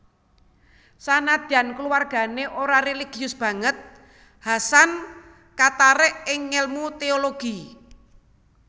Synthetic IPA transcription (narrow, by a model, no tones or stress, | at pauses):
sanad̪̥a̤nkluwarɡ̥a̤neʔoɾareliɡ̥i̤ʊsb̥ä̤ŋət̪̚ | hasan | kat̪aɾɛʔɪŋːelmut̪eoloɡ̥i